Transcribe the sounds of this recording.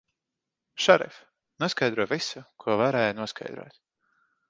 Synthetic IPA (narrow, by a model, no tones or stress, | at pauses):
ʃaɾɛ̰f | nuɔskajd̪ɾuɔvisukʰuɔvaɾɛːjnuɔskʰa̰jd̪ɾṵːt̪